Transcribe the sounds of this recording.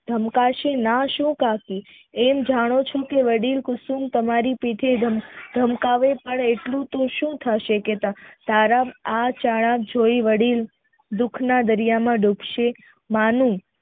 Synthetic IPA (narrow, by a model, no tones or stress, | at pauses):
d̪ʱəmkaʃenaʃũkaki | ɛmd͡ʒaɽ̃ot͡ʃʰokeʋəɽilkʊsumt̪əmaɾipiʈ̪ʰed̪ʱəmkaʋepəɳeʈlũt̪oʃũt̪ʰaʃeket̪at̪aɾaat͡ʃaɭ̃ak̚d͡ʒoiʋəɽil | d̪ukʰnad̪əɾijamãɖupʃe | manũ